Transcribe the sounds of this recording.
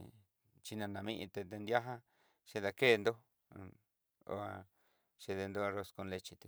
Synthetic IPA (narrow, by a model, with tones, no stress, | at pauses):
t͡ʃi˧nã˧nã˨˧mĩ˦ʔĩ˧t̪e˧t̪e˧nd̪ja˦ɦa˦ | ʃe˧ða˧ke˦˨˧nd̪o˦ | o̰˧a˧ | ʃe˧ðe˧nd̪o˦a˧ro˧sko˧nle˧t͡ʃi˧t̪u˧